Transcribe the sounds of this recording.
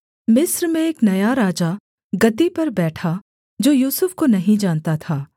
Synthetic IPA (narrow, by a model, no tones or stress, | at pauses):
mɪsɾmẽeːknɐjaɾaːd͡ʒa | ɡɐd̪ipɐɾbɛːʈʰa | d͡ʒoːjuːsʊfkonɐɦĩd͡ʒaːnt̪at̪ʰaː